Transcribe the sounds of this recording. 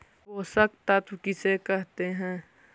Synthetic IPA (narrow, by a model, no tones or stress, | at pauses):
oːsək̚t̪ɐt̪wkisekəɦt̪eɦɛ̃ː